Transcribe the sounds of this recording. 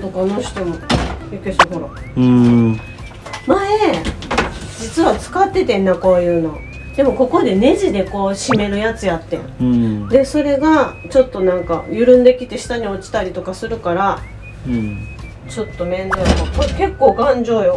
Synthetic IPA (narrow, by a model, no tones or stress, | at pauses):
t̪okanoɕo̥t̪omojokesoɦoɾa | mae | d͡ʑit͡sɨβat͡sɨ̥kat̪ːe̞t̪ẽ̞nːako̞ːjɯ̟ːno̞ | d̪̥e̞mo̞ko̞ko̞d̪e̞ne̞ʑid̪e̞ko̞ːɕime̞ɾɯ̟jat͡sɨjat̪ːḛ̃d̪e̞so̞ɾe̞ɡa | t͡ɕo̞t̪ːo̞nãŋka̰jɯɾɯ̟̃nd̪e̞kʲit̪e̞ɕi̥t̪aɲ̟io̞t͡ɕi̥t̪aɾʲit̪o̞kasɨɾɯ̟kaɾa | t͡ɕo̞t̪ːo̞mẽ̞nd̪okakke̞kːo̞ːɡãɲd͡ʑo̞ːjo